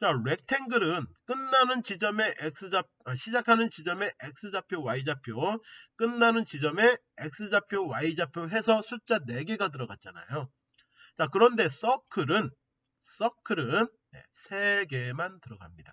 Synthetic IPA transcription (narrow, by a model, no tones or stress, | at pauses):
t͡ɕaɾe̞k̚tʰe̞ŋɡɯɾɯnk͈ɯnːanɯnt͡ɕid͡ʑʌme̞ʔek̚s͈ʰɯd͡ʑapaɕʰid͡ʑakʰanɯnt͡ɕid͡ʑʌme̞ʔek̚s͈ɯd͡ʑapʰjowaid͡ʑapʰjok͈ɯnːanɯnt͡ɕid͡ʑʌme̞ | ek̚s͈ɯd͡ʑapʰjowaid͡ʑapʰjoɦe̞sʰʌsʰut͡ɕ͈ane̞ɡeɡad̬ɯɾʌɡat̚t͡ɕ͈ana̰jo | t͡ɕakɯɾʌnde̞s͈ʌkʰɯɾɯn | s͈ʌkʰɯɾɯn | ḛsʰe̞ɡe̞mantɯɾʌɡa̰mɲida